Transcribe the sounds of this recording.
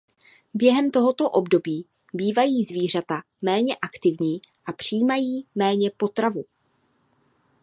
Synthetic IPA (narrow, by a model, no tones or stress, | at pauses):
bjɛɦɛmt̪o̞ɦo̞t̪o̞ʔo̞bdo̞biː | biːvajiːzviːr̝at̪a | mɛːɲɛʔakt̪ɪvɲiːʔapr̝̥iːmajiːmɛːɲɛpo̞t̪ɾavu